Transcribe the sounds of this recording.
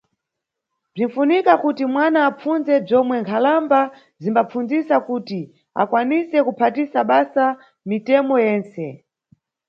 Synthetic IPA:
b͡ʐin̩funikakutimwanaːp͡funzɛb͡ʐɔmwɛŋkʰalamba | zimbap͡funzisakuti | a̰kwanisɛkupʰatisaɓasa | mitɛmɔjɛːnsɛ

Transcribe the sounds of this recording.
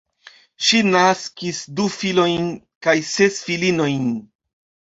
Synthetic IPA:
ʃinaskisdufilo̞jn | kajse̞sfilino̞jn

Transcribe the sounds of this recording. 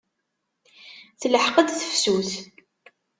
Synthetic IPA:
θləħqəd̪θə̥fsuθ

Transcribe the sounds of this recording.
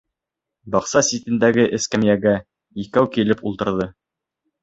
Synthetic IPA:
bɑqsɑsʲit̪ɘ̆nd̪æɡɘʔɘ̆skæmjæɡæ | ikæwkilɘpulˠt̪ɤ̆ɾðɤ

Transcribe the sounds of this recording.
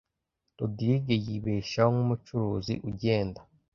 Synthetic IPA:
todiɾiɡejiβeːʃaoŋumut͡ʃuɾuːzḭʔuɟe̞ːnda

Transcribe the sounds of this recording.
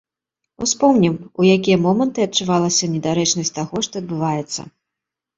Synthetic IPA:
ṵspɔmnʲimujakʲijɐmɔmɐnt̪ɨɐt̚t͡ʂuvalˠɐsʲɐnʲɛd̪aɾɛt͡ʂnɐsʲtʲt̪aɣɔʂt̪ɔɐd̪̚bɨvajɛt̪sːɐ̰

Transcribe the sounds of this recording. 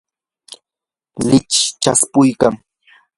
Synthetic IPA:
lɪt͡ʃt͡ʃaspʊjkaŋ

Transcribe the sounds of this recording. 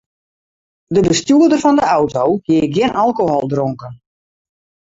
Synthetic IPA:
dəbəstjuədərfɔndəawtowɡjɪːɡjɪnʔalˠkoɦɔlˠdroŋkən

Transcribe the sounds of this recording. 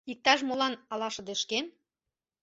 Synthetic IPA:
ik̚t̪ɑʃ̬molɑnɑlɑʃɤ̆d̪eʃken

